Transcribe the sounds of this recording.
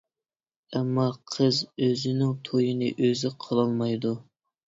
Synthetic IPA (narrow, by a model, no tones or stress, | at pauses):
ɛmːɑqʰəzøzɪnɪŋt̪ʰojinɨʔøzɪqʰəlˠɑlˠmɑjd̪u